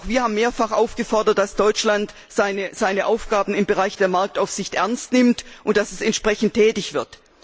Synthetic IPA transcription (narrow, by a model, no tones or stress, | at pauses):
xv̥iːɐhaːbmːeːɐfaχʔaʊfɡ̥əfɔɐdɐt̚d̥asd̥ɔʏt͡ʃlant | z̥aɪnəz̥aɪnəʔaʊfɡ̥aːbm̩ɪmbəʁaɪçd̥eːɐmaɐk̚taʊfsz̥ɪçtʔɛɐnstnɪmtʔʊnt̚d̥asɛsɛntʃpʁ̥ɛçn̩tʰːɛːtɪçv̥ɪɐt